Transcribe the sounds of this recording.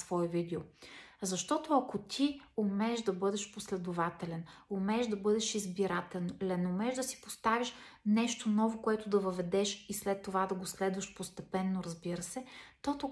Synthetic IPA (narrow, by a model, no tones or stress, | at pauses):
svɔɛvid̪ɛozɐʃt̪ɔt̪oɐkot̪ʲʰiʊmɛʒd̪ɐbɤd̪ɛʃposlɛd̪ʊvat̪ɛlɛnʊmɛʒd̪ɐbɤd̪ɛʃizbiɾat̪ɛnlɛnʊmɛʒd̪ɐsi̥post̪aviʃ | nɛʃt̪onɔvokoɛt̪ʊd̪ɐvəvɛd̪ɛʃislɛt̪ːovad̪ɐɡoslɛd̪vəʃpost̪ɛpɛnːoɾɐzbiɾəsɛt̪ot̪o